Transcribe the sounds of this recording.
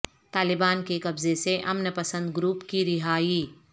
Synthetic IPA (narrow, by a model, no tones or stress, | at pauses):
t̪aːlɪbaːnkekɐbzeseʔɐmnəpɐsə̃nd̪ɡɾuːpkiɾɪɦaːiː